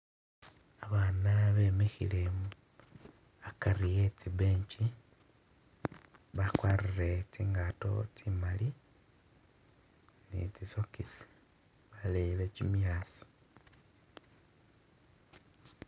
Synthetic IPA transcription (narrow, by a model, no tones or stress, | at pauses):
aβaːnaβe̞ːmexḭlemu | akarije̞t͡sibeːɲt͡ʃi | βakwaːrire̞ciːŋɡato̞̰t͡simali | nḭt͡sisokisi̥ | βaleilecimjaːsi̥